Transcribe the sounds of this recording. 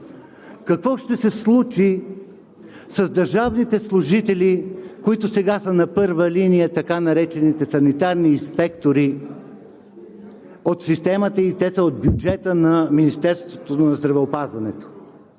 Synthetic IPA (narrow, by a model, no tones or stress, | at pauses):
kɐkvɔʃt̪ɛsɛslˠut͡ʃi | sɐzd̪ɐɾʒavnit̪ɛslˠuʒit̪ɛlʲikoit̪ʊsɛɡasənɐpɤɾvəlinijət̪ɐkanɐɾɛt͡ʃɛnit̪ɛsɐnit̪aɾniːspɛkt̪oɾi | ot̪sist̪ɛmət̪əit̪ɛsəod̪̚bʲjud͡ʒɛt̪ənɐminist̪ɛɾst̪vot̪onɐzd̪ɾɐvɛopazvɐnɛt̪o̥